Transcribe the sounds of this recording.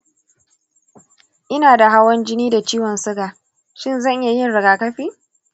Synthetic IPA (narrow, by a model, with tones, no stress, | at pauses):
ʔɪ˦naː˨da˨ɦa˦wɐ˦nd͡ʒɪ˦niː˦da˨t͡ʃiː˦wɔ˨nsʊ˦ɡaː˨ | ʃɪ˦˨nzɐ˦˨ʔɪ˦ja˨jɪ˦˨nɽɐ˨ɡaː˨kɐ˦ɸiː˦